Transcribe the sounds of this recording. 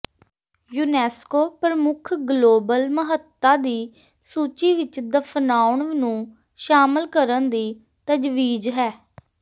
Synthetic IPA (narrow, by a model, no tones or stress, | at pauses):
juːnɛːskoːpɾəmʊkʰɡloːbəlməɦət̪ːaːd̪iː | suːt͡ʃiːʋɪt͡ʃd̪əpʰnaːʊɳʋnũː | ʃaːməlkəɾənd̪iː | t̪əd͡ʒʋiːd͡ʒɦɛː